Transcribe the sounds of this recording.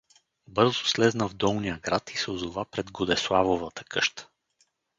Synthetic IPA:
bɤɾzʊslɛznəvd̪ɔlˠnijəɡɾat̪ʰisɛʊzovapɾɛd̪ɡod̪ɛslˠavovət̪ə̥kʰɤʃt̪ə̥

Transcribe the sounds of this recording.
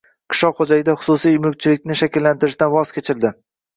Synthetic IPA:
qʰɨ̥ʃɒχod͡ʒajɪd̪aχʊ̥sʊsijmʊk̚ʲt͡ʃʰɪlɪkʲnɪʃakʲɪlːant̪ʰɪɾɪʃt̪anvɒz̥kʲet͡ʃʰɪɾd̪ɪ

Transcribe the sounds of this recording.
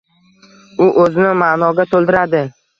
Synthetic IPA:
ʊʔɵzɪnɪmanɒɡʲat̪ʰolˠd̪ɪɾad̪ɪ

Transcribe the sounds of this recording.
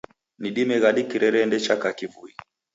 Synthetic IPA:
niɗimɛɣaɗikiɾɛɾɛːndɛt͡ʃakakivui

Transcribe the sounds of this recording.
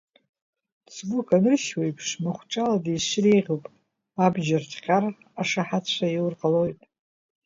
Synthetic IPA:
sɡukʰʼanɨrʃwejpʰʂmaχʷʈ͡ʂʼaladiʃɾejʁʲupʼ | abʒartʰqʲʼar | aʂaħat͡ɕʷʰaiwrqʼalo̞jtʼ

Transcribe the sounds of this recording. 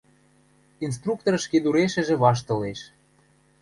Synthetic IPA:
ins̬t̪ruk̚t̪oɾʃked̪uɾeʃə̆ʒĕβɑʃ̬t̪ɤ̆leʃ

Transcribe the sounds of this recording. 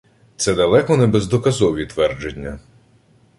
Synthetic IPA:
t̪sɛd̪ɐlˠɛkɔnɛbezd̪ɔkɐzɔʋʲit̪ʋɛrd͡ʒenʲːɐ

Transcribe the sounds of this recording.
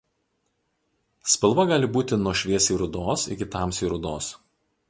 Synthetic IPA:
sʲpʲɪlˠʋɐɡɑːlʲɪbuːt̪ʲɪnuɔʃʲʋʲiɛsiːɾʊd̪oːsɪ̰kʲɪt̪ɑːˑmsiːɾʊd̪oːs

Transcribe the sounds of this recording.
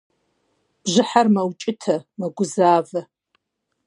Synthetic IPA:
b̥ʒɪħarmɐwt͡ʃʼɪtʰɐmɐɡʷʊzaːvɐ

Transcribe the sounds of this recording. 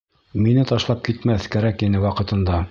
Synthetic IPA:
minɘt̪ɒʃlˠɑp̚kit̪mæθkæɾækinɘwɑqɤ̆t̪ɤ̆nd̪ɑ

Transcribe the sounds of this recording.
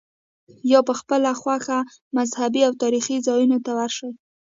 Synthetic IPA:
jɑpəxpəlaxwaxa | mazhabiawt̪ɑɾixizɑjunot̪awaɾʃəj

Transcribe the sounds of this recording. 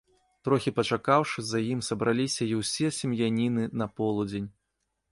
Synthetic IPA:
t̪ɾɔxʲipɐt͡ʂakawʂɨzɐjimsɐbɾalʲisʲɐiwsʲɛsʲimjanʲinɨnɐpɔlˠud͡zʲenʲ

